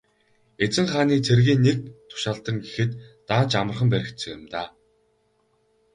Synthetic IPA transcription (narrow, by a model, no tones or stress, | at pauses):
et͡sɘ̆ŋχaːniːt͡sʰerɣiːnːek̚t̪ʰʊ̥ʃaːɬt̪ə̆ŋɡexɘ̆t̪ː | aːnt͡ɕamə̆rχə̆mpæɾʲɪ̆kt̪sɘ̆ŋjʊ̆mt̪aː